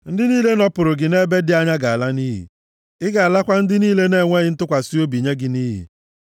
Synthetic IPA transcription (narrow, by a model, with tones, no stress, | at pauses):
n̩˦dɪ˦niː˦le˦nɔ˦pʊ˨ɾʊ˨ɡɪ˨ne˦be˦dɪ˨a˦ɲa˦ɡa˨a˨la˦niː˦ɦḭ˨ | ɪ˦ɡa˨la˦kʷa˦n̩˦dɪ˦niː˦le˦ne˦˨ŋʷe˦ɣɪ˦n̩˦tʊ˦kʷa˨si˦o˦bi˨ɲe˦ɡɪ˨niː˦ɦḭ˨